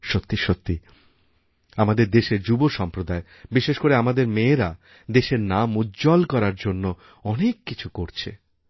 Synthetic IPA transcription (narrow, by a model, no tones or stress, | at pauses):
ʃot̪ːiʃot̪ːi | amad̪eɾd̪eʃeɾd͡ʑuboʃɔmpɾod̪ae | biʃeʃkoɾeamad̪eɾmeːɾa | d̪eʃeɾnamudd͡ʑɔlkɔɾaɾd͡ʑonːo | ɔnekːit͡ɕʰukoɾt͡ɕʰḛ